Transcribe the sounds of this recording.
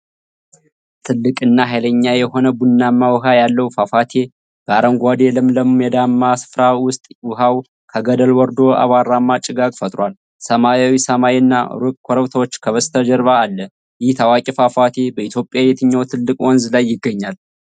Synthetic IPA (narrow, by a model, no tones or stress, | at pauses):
t̪ʰɨlːɨkʼɨnːaɦajləɲːajɛho̞nəbunːamːawɨɦajalːəwufafat̪ʰe̞ | b̥əaɾəŋɡʷad̪elɨmləmjɛd̪amːasɨ̥fɾawʊst̪ʼwʊɦaw | kʰəɡəd̪əlwɔɾd̪o̞a̰βaɾːamːat͡ʃʼɪɡakʼfət̪ʼɾʷwal | səmajawisəmaiɨnːa̰ɾukʼkʷʰɔɾəwt̪ʰawot͡ʃːkʰəβəst̪ʰəd͡ʒəɾβaːlːə | jɪht̪ʰawakʼifafat̪ʰe̞bəit̪ʰjo̞pʼːjabet̪ʰɨɲːawt̪ʰɨlːɨkʼwɔnzlajːɪɡːəɲːal